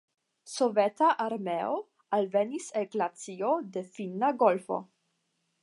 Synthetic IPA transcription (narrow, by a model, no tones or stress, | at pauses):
sovetaʔaɾmeo | alveniseɡlat͡siode̞finːaɡo̞lfo̰